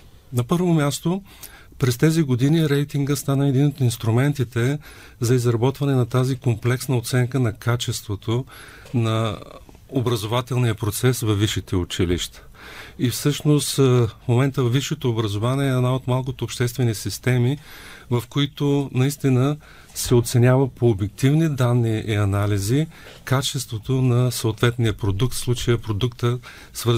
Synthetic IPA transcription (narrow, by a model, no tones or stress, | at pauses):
nɐpɤɾvomʲjast̪o | pɾɛst̪ɛziɡod̪iniɾɛjt̪iŋɡəst̪anəɛd̪inot̪inst̪ɾumɛnt̪it̪ɛ | zɐizɾɐbɔt̪vɐnɛnɐt̪azikomplɛksnəot̪sɛŋkənɐkat͡ʃɛst̪vot̪o | nɐ | obɾɐzovat̪ɛlˠnijəpɾot̪sɛsvɐvːiʃit̪ɛʊt͡ʃilḭʃt̪ə̥ | ifsɤʃnost̪fmomɛnt̪əvvːiʃɛt̪oːbɾəzovaniɛɛːd̪naot̪malˠk̬ot̪oːpʃt̪ɛst̪vɛnisist̪ɛmivɐfkoit̪onɐist̪inə | sɛot̪sɛnʲavəpʰoːbjɛk̚t̪ivnid̪anːiʔiɐnalizikat͡ʃɛst̪vot̪onɐsoot̪vɛt̪nijəpɾod̪uk̚t̪fslˠut͡ʃəjəpɾod̪ukt̪ə | svəɾ